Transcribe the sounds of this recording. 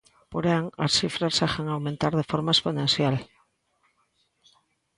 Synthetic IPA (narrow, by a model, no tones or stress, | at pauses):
poɾaŋasθifɾasaxeŋawmẽnt̪aɾðe̞foɾmaesponẽnθjal